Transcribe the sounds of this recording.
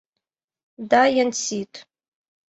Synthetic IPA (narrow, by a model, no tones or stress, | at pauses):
dajant͡sitʼ